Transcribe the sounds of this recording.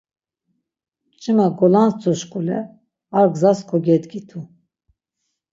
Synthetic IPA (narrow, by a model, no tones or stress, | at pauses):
t͡ʃʼimaɡɔlanst͡sʰʼuʃkʼulɛ̰ | aɾɡzaskʰɔɡɛd̪ɡit̪ʰu